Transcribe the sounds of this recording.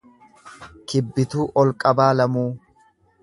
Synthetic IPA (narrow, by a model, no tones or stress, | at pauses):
kɪbːɪt̪uːʔɔlkʼɐbaːlɐmuː